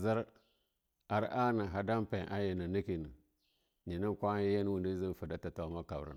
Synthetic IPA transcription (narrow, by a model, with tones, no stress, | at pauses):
zə˦ɾ | a˨ɾa˦na˨ɦa˨da˦mpe˨ʔa˦ji˨na˨ni˦ki˨nə˨ | ni˨ni˦kʷa˦je˦n˦wu˨ndi˦zi˦n˨fə˨da˦ta˨ta˨˦ma˦ka˨bɾḭ˦˨